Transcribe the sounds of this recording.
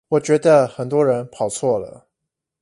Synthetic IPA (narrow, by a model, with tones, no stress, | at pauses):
wɔ˨˩t͡ɕɥɛ˧˥d̪ə˧xə˨˩nt̪̬wɔ˥ɻə˧˥npʰɑ˨˩ʊt͡sʰwɔ˥˩lə̰˩